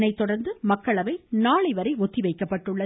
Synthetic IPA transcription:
nɐɪt̪ːɔɽɐɾnd̪ɯmɐkːɐɭɐʋɐɪnaːɭɐɪʋɐɾɐɪɔt̪ːiʋɐɪkːɐpːɐʈːɯɭːɐ

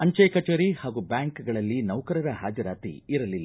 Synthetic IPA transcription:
ɐɲt͡ʃɐjkɐt͡ʃɐɾihaːɡubjaːŋkɡɐɭɐlːinɐwkɐɾɐɾɐɦaːd͡ʒɐɾaːt̪ḭiɾɐlilː

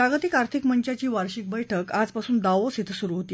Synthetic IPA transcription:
pɾaɡət̪ikaɾt̪ʰikməɲt͡ɕat͡ɕiːʋaɾɕik̚bəjʈʰəkad͡zpasuːnd̪aʋosit̪ʰsuɾuɦot̪iː

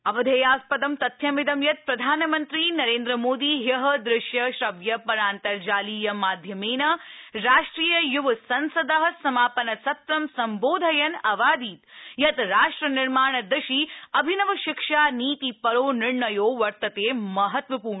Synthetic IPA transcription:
ɐʋɐd̪ʱeːjaːspɐd̪ɐmt̪ɐt̪ʰjɐmid̪ɐmjɐt̪̚pɾɐd̪ʱaːnɐmɐnt̪ɾiːnɐɾeːnd̪ɾɐmoːd̪iːɦjɐɦɐd̪ɾɪʃjɐʃɾɐʋjɐpɐɾaːnt̪ɐɾd͡ʒaːliːjɐmaːd̪ʱjɐmeːnɐɾaːʂʈɾiːjɐjuʋɐsɐnsɐd̪ɐɦɐsɐmaːpɐnɐsɐt̪ɾɐmsɐmboːd̪ʱɐjɐnɐʋaːd̪iːt̪jɐt̪ɾaːʂʈɾɐnɪɾmaːɳ̃ɐd̪ɐʃiɐbʱinɐʋɐʃɪkʂaːniːt̪ipɐɾoːnɪɾɳɐjoːʋɐɾt̪ɐt̪eːmɐɦɐt̪ʋɐpuːɾɳɐ

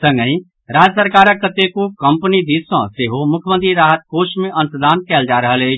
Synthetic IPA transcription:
sɐ̃ŋɡə̃ĩ | ɾaːd͡ʒəsəɾkaːɾəkːɐt̪ekukɐ̃mpnid̪iːsɔ̃seːɦomʊkʰmə̃nt̪̬ɾiɾaːɦət̪̚koːʃmẽʔɐ̃nsəd̪aːnkɛːld͡ʒaːɾɐɦəleː

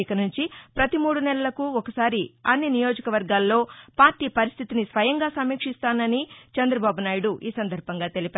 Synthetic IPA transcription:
ikɐnuɲt͡ʃipɾɐt̪imuːɽunɛlɐlɐkuɔkɐsaːɾiɐnːinijo̞ːd͡ʒɐkɐʋɐɾɡaːlːo̞ːpaːɾʈiːpɐɾist̪ʰit̪inisʋɐjɐŋɡaːsɐmːiːkʂist̪aːnɐnit͡ʃɛnd̪ɾɐbaːbunaːjiɽuʔiːsɐnd̪ɐɾbʱɐŋɡaːt̪e̞lipʲɛ

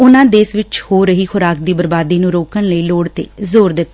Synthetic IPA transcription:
ʊnãːd̪eːsʋɪt͡ʃhoːɾəɦiːxʰʊɾaːkd̪iːbəɾbaːd̪iːnũːɾoːkənləiːloːɽt̪ḛːzoːɾd̪ɪt̪ː

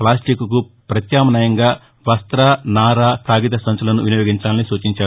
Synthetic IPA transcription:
plaːsʈikːuku | pɾɐt̪jaːmɐnɐjɐŋɡaː | ʋɐst̪ɾaːnaːɾaːkʰaːɡit̪ɐsɐnt͡ʃulɐnuʋinijoːɡiɲt͡ʃaːlnisuːt͡ʃiɲt͡ʃaː

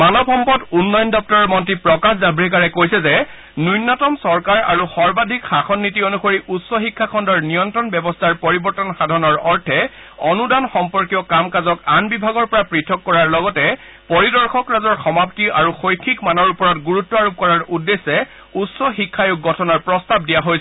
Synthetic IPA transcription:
manɔbʱɔmpɔtunːɔjndɔp̚tɔɹɔɹmɔntɹipɹɔkaszabʱɹikaɹɛkojsɛzɛ | nujnːɔtɔmsɔɹkaɹa̰ɹuxɔɹbadʱikxaxɔnːitionuxoɹiʔutsɔxikʰːakʰɔndɔɹnijɔntɹɔnbɛbɔstʰaɹpɔɹibɔɹtɔnxadʱɔnɔɹɔɹtʰɛɔnudanxɔmpɔɹkijɔkamkazɔkanbibʱaɡɔɹpɔɹapɹitʰɔkːɔɹaɹlɔɡɔtɛ | poɹidɔɹxɔkɹazɔɹxɔmaptiʔaɹuxojkʰːikmanɔɹupɔɹɔtɡuɹutːɔaɹub̚kɔɹaɹudːesːɛ | utsɔxikʰːajʊɡ̚ɡɔtʰɔnaɹpɹɔstab̚dijaɦojsɛ

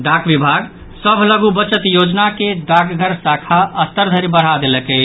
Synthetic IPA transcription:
d̪akʰbibʱaɡ | səbʱləɡubət͡ʃət̪jod͡ʒnaked̪akʰɡʱəɾsakʰaʔəst̪əɾd̪ʱəɾibəɽ̤ad̪elɛke

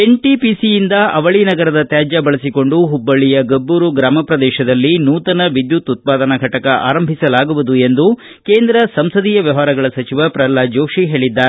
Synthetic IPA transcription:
enʈipisijind̪ɐʔɐʋɐɭinɐɡɐɾɐd̪ɐt̪jaːd͡ʒɐbɐɭɐsiko̞ɳɖuɦubːɐɭijɐɡɐbːuːɾuɡɾaːmɐpɾɐd̪ɛːʃɐd̪ɐlːinuːt̪ɐnɐʋid̪jut̪ːut̪̚paːd̪ɐnɐɡʱɐʈɐkɐʔa̰ːɾɐmbʱisɐlaːɡuʋud̪ue̞nd̪u | ke̞ːnd̪ɾɐsɐmsɐd̪iːjɐʋjɐʋaːɾɐɡɐɭɐsɐt͡ʃiʋɐpɾɐlːad͡ʒoːʂiɦe̞ːɭid̪ːaːɾe

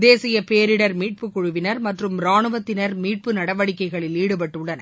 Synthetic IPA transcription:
d̪eːsɪjɐpeːɾɪɽɐɾmiːʈ̚pɯkʊɻʊʋɪnɐɾmɐʈrɯmɾaːɳɯʋɐt̪ːɪnɐɾmiːʈ̚pɯnɐɽɐʋɐɽɪkːɐɪɣɐɭɪliːɽɯp̬ɐʈːɯɭːɐnɐ

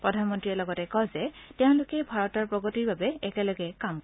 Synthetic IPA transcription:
pɹɔdʱanmɔntɹiɛlɔɡɔtɛkɔzɛtɛʊ̃nlʊkɛbʱaɹɔtaɹpɹɔɡɔtiɹbabɛɛkɛlɔɡɛkamkɔ

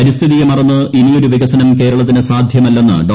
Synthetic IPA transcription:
ɐɾist̪ʰiðijemɐrɐnːɨʔinijo̞ɾuʋiɣɐsɐnɐmke̞ːɾɐɭɐt̪ːinɨsaːd̪ʱjɐmɐlːe̞nːɨ̰ɖo

